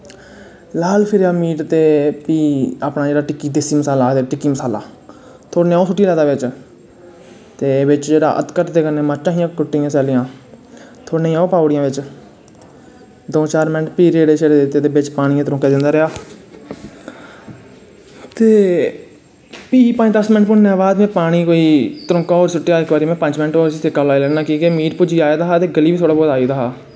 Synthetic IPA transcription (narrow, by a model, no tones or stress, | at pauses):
laːlpʰɪɾaːmiːʈt̪eːpiːaːpnaːd͡ʒeːɽaːʈɪkːiːd̪ɪsiːməsaːlaːt̪eːʈɪkːiːməsaːla̰ː | t̪ʰoːneːaːõːsʊʈːiːlɛːd̪aːʋɪt͡ʃ | t̪eːʋɪt͡ʃd͡ʒeːɽa̰ːʔə̰t̪kəʈd̪eːkəɾneːmat͡ʃːãːɦiãːkʊʈːijãːsɛːlɪjãː | t̪ʰoːneːãːopaːʊɽɪjãːʋɪt͡ʃ | d̪õːt͡ʃaːɾmɪnʈpiːɾeːɖeːʃeːɽeːd̪t̪ːeːd̪eːbɪt͡ʃpaːɽ̃iãːt̪ɾõːkeːd̪ɪnd̪aːɾɪaː | t̪eː | piːpaːniːd̪əsmɪnʈpʊɳneaːbaːd̪mɛ̃ːpaːɽ̃iːkoːiːt̪əɾõːkaːoːɾsʊʈːeːaːɪkʋaːɾiːmɛ̃ːpəɲt͡ʃmɪnʈoːɾsiːt̪ʰekaːlaːiːlɛːnaːkiːkeːmiːʈ̚pʊd͡ʒiːaːeːd̪aːɦaːt̪eːɡəliːʋiːt̪ʰoːɽaːboːd̪aːiːd̪aːɦaː